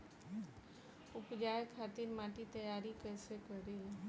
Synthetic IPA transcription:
ʊpd͡ʒaːjkʰaːt̪iɾmaːʈit̪əjaːɾikɛːsekəɾe

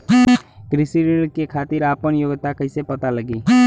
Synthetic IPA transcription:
ɡɾɪsiɾkekʰaːt̪iɾaːpənjoːɡt̪akəɪsepət̪aləɡiː

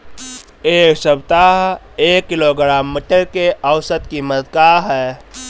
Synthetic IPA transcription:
eːksəbt̪aɦ | eːkːɪloɡɾaːmːəʈːəɾkeʔəwsət̪kiməd̪kaːɦɛː

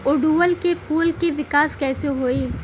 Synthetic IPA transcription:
ʊɖuːʋəlkepʰuːlkeʋɪkaːskɛːseɦoːiː

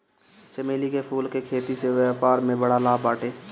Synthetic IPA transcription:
t͡ʃəmeːlikepʰuːlkekʰeːt̪iseʋɛːpaːɾmẽbəɽalaːpaːʈeː

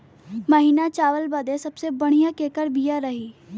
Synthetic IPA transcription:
məɦiːnat͡ʃaːʋəlbɐd̪esɐbsebɐɽ̤̃ijãkeːkəɾbijaɾɐɦiː

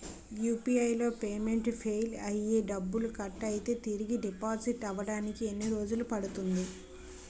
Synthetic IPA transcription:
juːpiɐjlo̞ːpeːme̞ɳʈpʰeːjlɐjeːɖɐbːulukɐʈːɐjit̪e̞ːt̪iɾiɡiɖipaːziʈɐʋɐɽaːnikie̞nːiɾo̞ːd͡ʒulupɐɽut̪und̪i

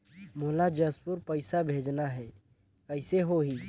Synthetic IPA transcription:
moːlad͡ʒəspuɾpəɪsabʱeːd͡ʒnaɦɛː | kəɪseɦoɦiː

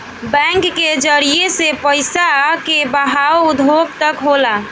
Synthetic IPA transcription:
bɛ̃ŋkːed͡ʒəɾiesepəɪsakebəɦaoud̪ʱoɡ̚t̪əkɦola

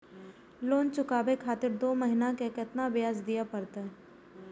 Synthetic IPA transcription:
loːnt͡ʃʊkaːbekʰaːt̪ɪɾd̪oːməɦɪnãkekɪt̪nabɪjaːzd̪ijapɐɾt̪aɦɛ

